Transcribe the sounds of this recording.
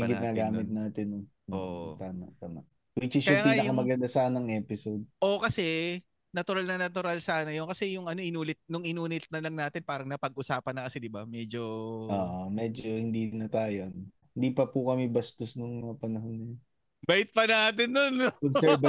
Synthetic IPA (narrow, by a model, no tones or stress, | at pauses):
ɪɡɪnaːɡaːmɪt̪̚naːt̪ɪno | ʔo̰ʔt̪aːmɐ̰t̪aːmɐ̰ | wit͡ʃɪskɐʊaapiːaɐkɐmɐɡɐnd̪asaːnɐŋʔɛːpɪsod̪̚ʔokɐsɛ | nɐt̪ʊɾalnɐnɐt̪ʊɾalsaːnɐjonkɐsɛjʊŋʔɐno̞ʔɪnuːlɪt̪̚nʊŋʔɪnuːnɪt̪̚nɐlɐŋnaːt̪ɪnpaːɾɐŋnɐpɐɡ̚ʔʊsaːpɐnɐkɐsɛd̪ɪbamɛːd͡ʒo̞ʔoːʔomɛd͡ʒohɪnd̪inɐt̪aːjon | hɪnd̪iːpɐpukɐmɛbɐst̪osnʊŋmɐŋapɐnɐɦonːɐjon | bajɪt̪̚pɐnaʔaːt̪ɪnːonːɐɛbɐ